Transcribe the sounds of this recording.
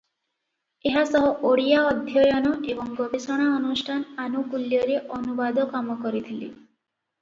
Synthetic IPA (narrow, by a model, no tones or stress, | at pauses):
eɦasɔɦɔʔoɽijaɔd̪ʱjɔjɔnɔʔebɔŋɡɔbesɔɽ̃aɔnusʈʰananukuljɔɾeʔɔnubad̪ʱɔkamɔkɔɾit̪ʰilḭ